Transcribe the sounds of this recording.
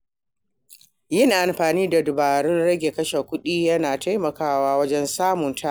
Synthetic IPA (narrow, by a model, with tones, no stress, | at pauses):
jɪ˦˨ŋʔa˨mɸaː˨niː˦da˨dʊ˨baː˨ɽʊ˦nɽɐ˦ɡʲe˨kɐ˦ʃe˨kʷʊ˦ɗiː˦jɐ˦naː˨ta˦jmɐ˨kaː˦waː˦wɐ˦d͡ʒɛ˦nsaː˦mʊ˨ntʰa˦ʔ